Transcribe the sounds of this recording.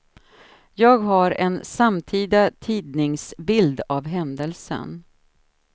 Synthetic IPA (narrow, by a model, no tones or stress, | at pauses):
jɑːɡɦaɾɛnsamt̪ʰiːd̪at̪ʰiːd̪̚nɪŋsbɪld̪avɦɛnd̪əlsə̰n